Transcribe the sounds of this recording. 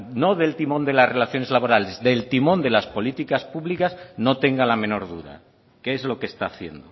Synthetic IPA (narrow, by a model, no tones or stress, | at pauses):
no̞ðe̞lt̪imõ̞nd̪e̞lasre̞laθjo̞ne̞zlaβo̞ɾale̞zðe̞lt̪imõ̞nd̪e̞laspo̞lit̪ikaspuβlikasno̞t̪e̞ŋɡalamẽ̞no̞ɾðuɾa̰ | keezlo̞kest̪aːθje̞nd̪o